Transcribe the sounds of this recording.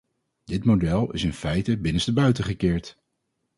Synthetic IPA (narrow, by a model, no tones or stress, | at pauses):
dɪtmodɛlˠɪ̰sɪnfɛjtəbɪnənsdəbœɥtəχəkɪːɹt